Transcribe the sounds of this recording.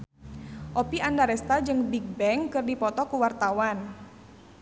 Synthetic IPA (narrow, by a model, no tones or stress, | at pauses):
ʔopiandaɾɛst̪ad͡ʒɨŋbik̚bɛŋkɨrdipɔt̪ɔkuwart̪awan